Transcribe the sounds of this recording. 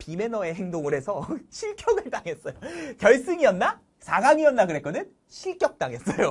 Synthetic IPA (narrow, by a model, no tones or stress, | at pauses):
pime̞nʌe̞ɦeŋdoŋɯɾɦe̞sʰʌɕʰiɭk͈jʌɡɯɭt͈aŋe̞s͈ʌjokjʌɭs͈ɯŋiʌnːa | sʰaɡaŋiʌnːakɯɾe̞k͈ʌdɯn | ɕʰiɭk͈jʌk̚t͈aŋe̞s͈ʌjo